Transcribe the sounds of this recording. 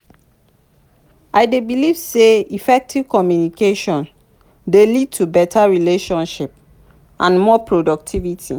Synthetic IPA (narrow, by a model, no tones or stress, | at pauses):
aɪdebilivseifɛk̚tʰiv̥kɔmjunikeʃɔ̃n | delid̚tʰubɛtʰaɹileʃɔ̃nʃip̚ | ʔãnmɔpɹodɔk̚tʰivitʰḭ